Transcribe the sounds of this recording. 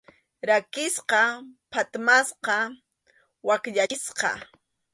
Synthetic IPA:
ɾakɪsqɑpʰat̪masqɑ | wakʎasqɑ̰

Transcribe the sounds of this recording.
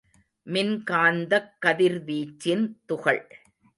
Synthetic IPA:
mɪnkaːnd̪ɐkːɐðɪɾʋiːt͡ʃːɪnt̪ʊɣɐɭ

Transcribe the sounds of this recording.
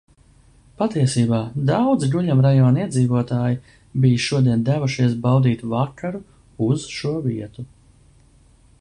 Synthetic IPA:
pat̪iɛsiːbaːd̪awd̪ziɡuʎamɾajɔːniɛd̪ziːvuɔt̪aːji | bijʃuɔd̪iɛnd̪ævuʃiɛsbawd̪iːt̪vakʰaɾu | uz̥ʃuɔviɛt̪u

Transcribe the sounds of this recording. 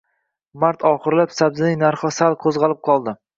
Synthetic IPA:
maɾt̪ʰɒχɨɾlapsabzɪnɪnaɾχɨsalˠqʰozʁɑlˠɪp̚qʰɒlˠd̪ɪ

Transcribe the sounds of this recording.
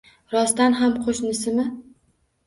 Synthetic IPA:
ɾɒst̪anɦamqʰoʃnɪsɪmɪ

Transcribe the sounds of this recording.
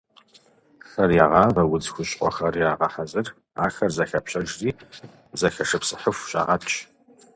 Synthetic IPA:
xɐrjaːʁɑːvɐwʊd͡zxʷʊɕʼʔʷʼɔ̰xɐrjaːʁɑħazɨr | a̰ːxɐrzɐxɐpɕɐʒriː | zɐxɐʂɐpsɨħəfʷɕʼa̰ːʁɐtʰʼt͡ʃ

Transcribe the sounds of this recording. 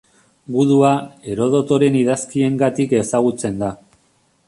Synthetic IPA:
ɡuðuae̞ɾo̞ðo̞t̪o̞ɾe̞niðaskie̞ŋɡat̪ike̞saɣ̞ut͡se̞nd̪a

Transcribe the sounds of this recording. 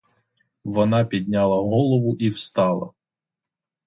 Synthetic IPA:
ʋɔnɑpʲid̪ʲnʲɑlˠɐɦɔlˠɔʋʊʔiwst̪ɑlˠɐ̰

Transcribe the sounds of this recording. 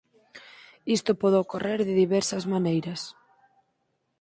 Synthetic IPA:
ist̪ʊpɔðookoreɾðɪðiβɛɾsɐzmanejɾɐs

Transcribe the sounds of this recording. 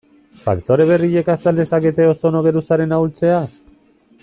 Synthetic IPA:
fa̰kt̪o̞ɾe̞β̞e̞riʎe̞kasald̪e̞saket̪e̞o̞so̞no̞ɣe̞ɾusaɾe̞nauwlt͡se̞a

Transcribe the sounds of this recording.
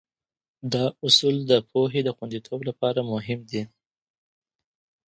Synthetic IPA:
d̪ɑʊsuld̪əpʰoɦed̪əxwand̪it̪ʰoblapɑɾamʊɦɪmd̪i

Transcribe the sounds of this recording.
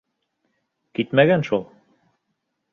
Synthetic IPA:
kit̪mæɣænʃolˠ

